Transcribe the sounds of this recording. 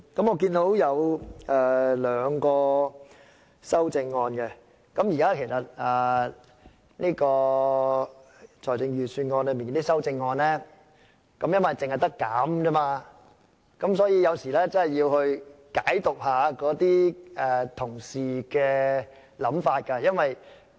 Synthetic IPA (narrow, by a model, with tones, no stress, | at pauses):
kɐ˨˥mɔː˧kiː˧nt̪o˨˥wjɐ˨˧wɛ˨˩lœː˨˧ŋkɔː˧ | sɐ˥wt͡sɪ˧ŋːɔː˧nkɛ˧ | kɐ˨˥mjiː˨kaː˦˥kʰe˨˩jsɐ˨˩t̚ɛː˨˩ | niː˥kɔː˧ | t͡ʃʰɔː˨˩jt͡sɪ˧ŋjyː˨syː˧nŋɔː˧nlɵ˨˧˥miː˨nkːt̪i˥sɐ˥wt͡sɪ˧ŋːɔː˧nlɛː˥ | kɐ˨˦mjɐ˥nwɐ˨jt͡sɪ˨ŋhɐ˨jt̪ɐ˥kːaː˨˥mt͡sɐː˥maː˧ | kɐ˨˧˥msɔː˨˥jiː˧jɐ˨˧wsiː˨˩lɛː˥t͡sɐ˥nhɐ˨˩jːiː˧whɵ˧ɥkaː˨˥jt̪ʊ˨k̚ɦaː˨˧kɔː˨˥t̪iː˥ɛ˨t̪ʰʊ˨˩ŋsiː˨kɛː˧ | lɐ˨˥mfaː˧t̚kɐ˧jɐ˥nwɐ˨j